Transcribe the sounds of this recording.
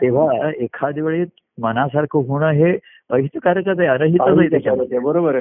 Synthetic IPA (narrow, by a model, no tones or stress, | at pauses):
t̪eʋ̤aekʰad̪iʋɭet̪ | mənasaɾkʰoɦuɳ̃aɦe | əɦit̪əkaɾəkət̪aiənəɦitəaɦit̪ekabəɾobəɾ